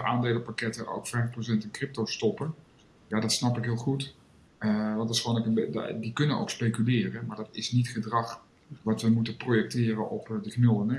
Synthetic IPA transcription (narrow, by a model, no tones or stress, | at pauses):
ʔaːndeːləpakɛtəʔo̰wkfɛjfprowsɛntənkrɪp̚towstɔpən | jadɑtsnɑpɪkɦɪːlˠχut | ʋɑdɪsχʋoːnɪkəbdikɵnəno̰wkspejkylɪːrənmaːɹdɑtɪsnitχədrɑχ | ʋɑtʋəmutəprojɛk̚tɪːrənʔɔpdəknølˠənɛ